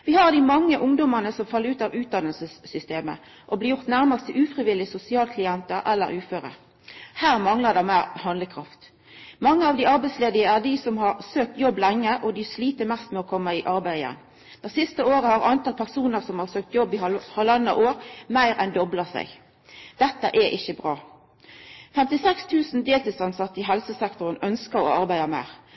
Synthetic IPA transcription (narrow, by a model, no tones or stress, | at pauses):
ʋɪhɑʁd̪ɪmɑŋːəʔʊŋd̪ɔməʁnəsɔmfɑlːəɾʉːt̪ɑːʋʉːt̪̚d̪ɑnəlsəsːʏst̪eːmə̰ | ʔɔbliːjʊʁt̪næʁməst̪ʰəʔʉːfʁɪʋɪlːɪsʊsɪɑːlkʰlɪɛnt̪əɾɛlːə̰ɾʉːføːʁə̰ | hæːʁmɑŋləd̪æmæːʁhɑnləkʰʁɑft̪ | mɑŋːəɑːʋd̪ɪɑɾbæɪtsleːd̪ɪəæd̪isɔmhɑɾsøːk̚t̪jɔbːlɛŋːəʔɔd̪ɪsliːt̪əɾmɛst̪mɛɔkʰɔmːəɪʔɑɾbæɪɛ̰n | d̪̥æsɪst̪əoːɾəhɑʁɑnt̪ɑlpʰæʁsuːnəɾsɔmhɑʁsøːk̚t̪jɔbːɪhɑlɑnːɑ̰ʔoːɾmæɪɾɛnd̪ɔbləsæ̰ɪɡ | d̪̥ɛt̪ːə̰ʔɛʔɪçəbɾɑː | fɛmt̪ɪsɛkst̪ʰʉːsn̩d̪eːlt̪ɪlsɑnsɑt̪ːəɪɦɛlsəsɛkt̪ʊʁənœnskəɾɔ̰ɑɾbæɪɑmæ̰ːʁ